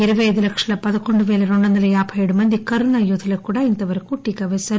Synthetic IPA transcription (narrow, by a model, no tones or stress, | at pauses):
ɪɾɯʋɐjðɯlɐkʂɐlɐpɐðɯkːɔɳɖɯʋeːlɐɾɔɳɖɐnd̪ɐlɐjaːpʰɐjɐɽɯmɐnd̪ikɐɾɯnɐjoðɪlɐkuːɽaɪnd̪ɐʋɐɾkuːʈːikːɐʋesɐ